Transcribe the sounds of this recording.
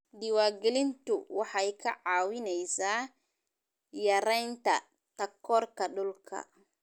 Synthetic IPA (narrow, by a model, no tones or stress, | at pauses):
diwaɡilint̪uwaħajkaʕawinɛjsa | jaɾajnt̪a̰ | t̪akːɔɾkaɗɔlkʰa̰